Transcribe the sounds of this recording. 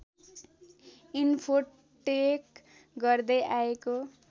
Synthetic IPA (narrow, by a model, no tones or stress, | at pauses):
inpʰo | ʈek | ɡʌrd̪ʌjaeko